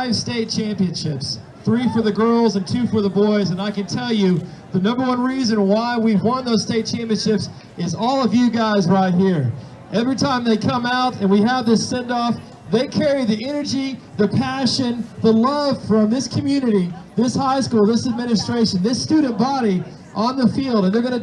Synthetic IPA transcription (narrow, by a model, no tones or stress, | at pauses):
aɪv̥steɪt̚t͡ʃʰæ̃mpiɨ̃nʃɪps | θɹifə˞ðɨɡɜ˞lˠzɨ̃ntʰʉfə˞ðəbɔɪzɨ̃naɪkɨ̃ntʰɛlˠjʉ | ðɨnʌ̃mbə˞wʌ̃nɹizɨ̃nwaɪwiwʌ̃nðoʊz̥steɪt̚t͡ʃʰæ̃mpiɨ̃nʃɪps | ɨzɔlˠʌvjɨɡaɪzɹaɪt̚hiɹ | ʔɛvɹitʰãɪ̃mðeɪkʰʌ̃maʊɾɨ̃nwiəvðɪsɛ̃ndɔf | ðeɪkʰɛɹiðiʔɛnə˞d͡ʒi | ðɨpʰæʃɨ̃nðəlʌv̥fɹʌ̃mðɪskʰɨmjʉnɨɾiðɪshaɪskulˠðɪsɨd̚mɪ̃nɨstɹ̥eɪʃɨ̃n̩ðɪstʉdⁿn̩b̥ɑɾi | ʔə̃nðəfilˠdɨ̃nðə˞ɡʌñɨ